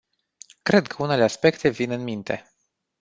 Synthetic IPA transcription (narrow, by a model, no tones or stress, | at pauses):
kɾe̞d̪kʰəune̞leaspe̞kt̪e̞vinɨnmint̪e̞̰